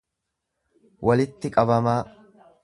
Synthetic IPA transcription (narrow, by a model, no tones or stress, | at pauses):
wʔɐlɪt̪ːɪkʼɐbɐmaː